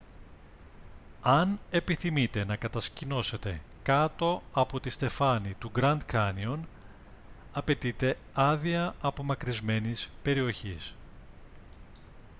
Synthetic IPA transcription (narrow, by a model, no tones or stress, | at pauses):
ɐne̞piθimit̪e̞nɐkɐt̪ɐscino̞se̞t̪e̞ | kɐt̪o̞ɐpo̞t̪ist̪e̞fɐnit̪uɡɾɐnd̪kɐnion | ɐpe̞t̪it̪e̞ | ɐðiɐɐpo̞mɐkɾizme̞nispe̞ɾio̞çis